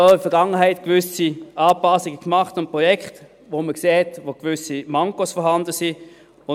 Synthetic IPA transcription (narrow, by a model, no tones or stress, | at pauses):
ofɛɐʁɡaŋəɦaɪtkvʏsiaːpasiɡəkmaχtʊnt̚pʁɔjɛkχt | voməkseːhɛtvoɡ̥vʏsimaŋkosfɔɦandəsi | ʊ